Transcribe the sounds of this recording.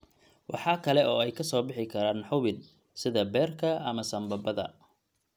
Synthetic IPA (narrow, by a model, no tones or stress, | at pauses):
wʔɑħɑːkʰɐlɛʔɔːɛjkʰɐsɔːbɪħɪkʰɐɾaːnħʊβɪn | sɪðɐbɛːrkʰɐɐmɐsɐmbɐbɐðɐ̰